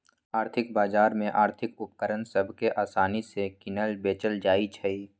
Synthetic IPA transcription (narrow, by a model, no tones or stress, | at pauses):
aːɾt̪ʰɪk̚baːzaːɾmẽʔaːɾt̪ʰɪkʊp̚kəɾənsəbʱkeʔaːsaːnisekɪnəlbeːt͡ʃəld͡ʒaːit͡ʃʰəi